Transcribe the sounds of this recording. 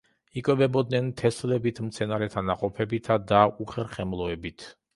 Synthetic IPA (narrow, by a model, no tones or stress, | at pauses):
ikʼwɛbɛbɔd̪nɛnt̪ʰɛslɛbit̪ʰmt̪sʰɛnaɾɛt̪ʰanaqʼɔpʰɛbit̪ʰad̪auχɛɾχɛmlˠɔɛbit̪ʰ